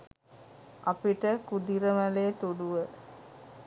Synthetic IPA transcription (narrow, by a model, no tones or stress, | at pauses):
ʔapiʈəkud̪iɾəmæleːt̪uɖuʋə